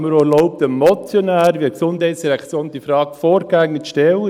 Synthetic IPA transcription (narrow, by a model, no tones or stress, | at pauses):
məɾolɔʊp̚t̪əmɔt͡sjɔnæːɾʋiksʊnd̥ɦɛɪtsd̥iɾɛkt͡sjoːntd̥ifɾɑːkfɔːɾɡæŋnətʃtɛlə